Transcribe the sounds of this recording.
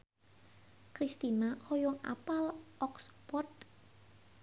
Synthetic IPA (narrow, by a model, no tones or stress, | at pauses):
kɾist̪inahɔjɔŋʔa̰palɔkspɔrt̪̚